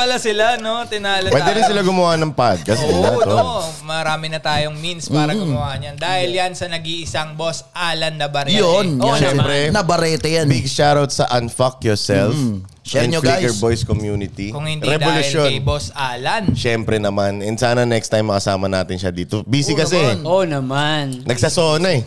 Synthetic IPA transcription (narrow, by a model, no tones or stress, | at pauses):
pɐlɐsɪlano̞t̪ɪnaːlɐwɛd̪ɛɪnsɪlaɡʊmʊwaːʔnːɐŋpad̪̚kɐsɛoomɐɾaːmɪnɐt̪aːjoŋminspaːɾɐɡʊmʊwaːʔɐnjɐnd̪aːhɪljɐnsɐnɐɡiɪsaŋbosʔaːlɐnːɐbɐɾɛjonʃɛmpɾɛnɐbɐɾɛːt̪ɛjanbiɡ̚ʃaɾawt̪̚sɐʔɐnfɐk̚jɔɹsɛlf | ɛnɲolɡiajkɛɹbojskomjuːnɪt̪ikʊŋhɪ̃ndɾɛd̪olʊʃjonbosʔaːlɐnʃɛmpɾɛnɐmanɛnsaːnɐnɛkst̪ajmːɐkɐsaːmɐnaːt̪ɪnʃɐd̪iːt̪obiːsɪkɐs̬ɛonɐmannɐɡ̚sɐsoːnɐɛ